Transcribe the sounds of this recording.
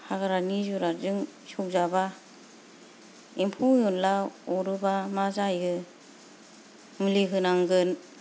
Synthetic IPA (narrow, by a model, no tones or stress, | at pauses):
haɡaɾanizuɾazɯŋsɔk̚zaba | impʰujɔnlaɔɾɯbamazajɡɯ | mɯliɦɯnaŋɡɯn